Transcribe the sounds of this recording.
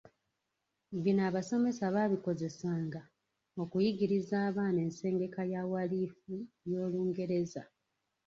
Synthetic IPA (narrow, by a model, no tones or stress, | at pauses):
βinaːβaso̞me̞saβaβiko̞ze̞saːŋɡa | o̞kujiɡiɾizaːβaːne̞ːnse̞ːŋɡe̞kajawaliːfu | jo̞ːluːŋɡe̞ɾe̞za̰